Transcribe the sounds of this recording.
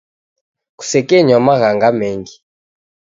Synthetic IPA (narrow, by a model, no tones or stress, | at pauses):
ku̥sɛkɛɲamaɣaŋɡamɛŋɡi